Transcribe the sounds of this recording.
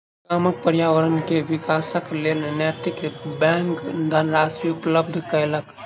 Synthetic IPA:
kaːmək̚pəɾjaːʋəɾənkeʋɪkaːsəklenenɛt̪ikbɛ̃ŋkd̪ʱənɾaːsɾiʊpləbd̪ʱkələk

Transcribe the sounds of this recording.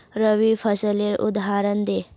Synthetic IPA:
ɾəʋifʰəsəleɾṵd̪aɾənd̪e

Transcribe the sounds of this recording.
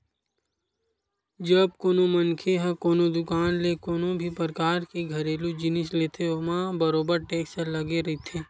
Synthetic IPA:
d͡ʒɐb̚koːnomɐnkʰeɦɐ̃koːnod̪ʊkaːnlekoːnobʱipɾkaːɾkeɡʱɐɾeːlud͡ʒɪnɪsleːt̪ʰeomãbəɾoːbəɾʈeːksəlɐɡeɾɐɦit̪ʰeː

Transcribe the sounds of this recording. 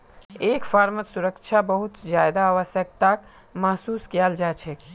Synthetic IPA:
eːkfʰaːɾmət̪suɾəkt͡ʃʰabəɦʊt̪d͡ʒajd̪aaːʋəsjək̚t̪ak | maɦsuːskijald͡ʒat͡ʃʰɛ

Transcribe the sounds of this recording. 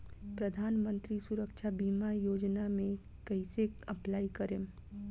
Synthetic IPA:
pɾɐd̪ʱaːnmə̃nt̪ɾisuɾəkʃabiːmajoːd͡ʒnamẽ | kɐiseɐplaːikɐɾẽ

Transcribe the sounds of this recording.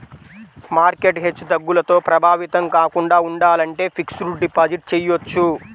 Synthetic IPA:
maːɾke̞ʈɦet͡ʃːɐd̪ɐɡːulɐt̪o̞ːpɾɐbʱaːʋit̪ɐmkaːkuɳɖaːuɳɖaːlɐɳʈe̞ːpʰiksɾuɖipaːd͡ʒiʈ̚t͡ʃejot͡ʃːu

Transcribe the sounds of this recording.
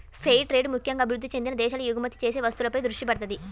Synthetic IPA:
pʰejʈɾeːɖmukʰjɐŋɡaːɐbʱiɾud̪ʱːit͡ʃe̞nd̪inɐd̪ɛːʃɐlujuɡɐmɐt̪i̥t͡ʃe̞ːse̞ːʋɐst̪ulɐpɐjd̪ɾuʂʈipɐɽɐt̪ɐd̪i

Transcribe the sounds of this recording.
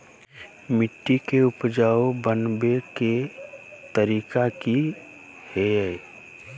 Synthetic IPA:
mɪʈːikeʊpd͡ʒaːobənbeke | t̪əɾiːkaki | he

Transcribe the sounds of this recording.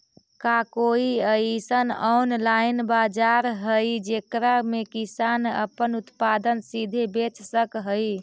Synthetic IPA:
kakoiəisənɔwnlainbad͡ʒaɾɦəjd͡ʒekɾamekisanə̰pənut̪pad̪ənsid̪ʱebet͡ʃsəkɦəj

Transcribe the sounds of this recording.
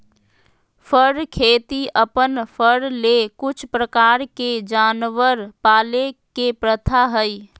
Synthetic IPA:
fʰəɽkʰeːt̪iəpənpʰəɽlekʊt͡ʃʰpɾəkaːɾked͡ʒaːnʋəɾpaːlekepɾət̪ʰaɦəi

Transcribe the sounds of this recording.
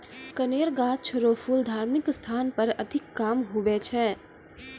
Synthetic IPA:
kəneːɾɡaːt͡ʃʰəɾopʰuld̪ʱaːɾmikst̪ʰaːnpəɾəd̪ʱɪkːaːmɦubɛt͡ʃʰɛ

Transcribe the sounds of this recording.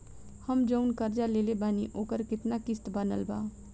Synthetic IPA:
həmd͡ʒəʊnkəɾd͡ʒaleːlebaːniʔoːkəɾkɪt̪nakɪst̪bənəlba̰ː

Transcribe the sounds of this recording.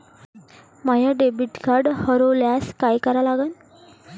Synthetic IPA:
majaɖebiʈkaɾɖhəɾoljaskajkəɾalaɡən

